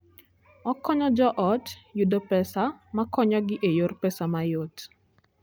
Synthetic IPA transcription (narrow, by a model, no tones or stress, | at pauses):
ɔkɔɲɔd͡ʒɔʔɔtjudopɛsamakɔɲɔɡɪʔejorpɛsamajot